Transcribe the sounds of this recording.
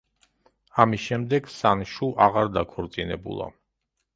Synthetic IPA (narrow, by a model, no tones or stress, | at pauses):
amisʃɛmd̪ɛɡsanʃuʔaʁaɾd̪akʰɔɾt̪sʼinɛbṵlˠa̰